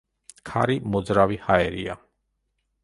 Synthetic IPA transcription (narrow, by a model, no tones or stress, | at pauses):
kʰaɾimɔd̪zɾavihaɛɾia